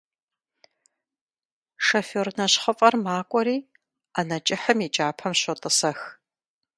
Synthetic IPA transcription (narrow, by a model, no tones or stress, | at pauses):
ʂɐfoːrnɐɕχəfʼɐrmaːkʷʼɔɾiː | aːnɐt͡ʃʼɪħəmit͡ʃʼaːpʰɐmɕɐtʼɨsɐx